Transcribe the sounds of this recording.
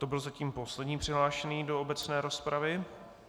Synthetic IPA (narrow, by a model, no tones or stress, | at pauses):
t̪obɪlzaciːmpo̞slɛdɲiːpr̥ɪɦlaːʃɛniːdo̞obɛt͡snɛːɾospɾavɪ